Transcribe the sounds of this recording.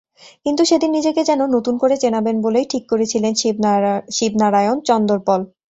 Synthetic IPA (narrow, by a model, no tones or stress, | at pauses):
kint̪uʃed̪inːid͡ʑeked͡ʑɛnonot̪unkoɾet͡ɕenabenbolejʈʰikːoɾet͡ɕʰilen | ʃibnaɾajont͡ɕɔnd̪oɾpɔl